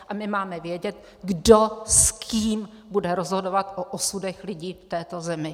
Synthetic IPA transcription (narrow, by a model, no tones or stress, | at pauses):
ʔamɪmaːmɛvjɛɟɛt̪ | ɡdoskʰiiːm | budɛɾo̞zɦodo̞vat̪ʔoʔosudɛxlɪɟiːft̪ɛːt̪o̞zɛmɪ